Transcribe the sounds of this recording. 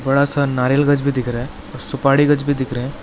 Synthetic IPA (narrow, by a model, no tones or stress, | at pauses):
bɐɽasənaːɾelɡəd͡ʒbʱid̪ɪkʰɾe | ɔːɾsʊpaːɽiɡəd͡ʒbʱid̪ɪkʰɾeẽ